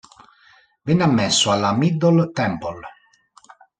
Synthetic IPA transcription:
vinːamːɛsːualːamid̪ːɔlt̪ɛmpol

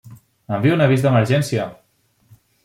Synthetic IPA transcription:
əmbiunɐβizðəməɾʒɛnsia

